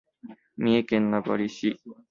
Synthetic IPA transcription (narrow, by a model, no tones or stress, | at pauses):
miekenːabɔ̰ɾisi